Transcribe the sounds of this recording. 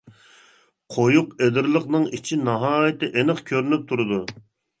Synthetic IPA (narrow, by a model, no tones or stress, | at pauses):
qʰojuqed̪ɪɾlˠəqnɨŋit͡ʃʰinɑɦɑːjɪt̪ɨʔenəχkʲʰøɾynyp̚t̪ʰuɾɨd̪u